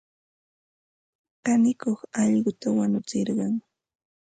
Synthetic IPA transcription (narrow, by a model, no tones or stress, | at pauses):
kanɪkoχɑʎɢʊt̪awanʊt͡sɪɾɢɑŋ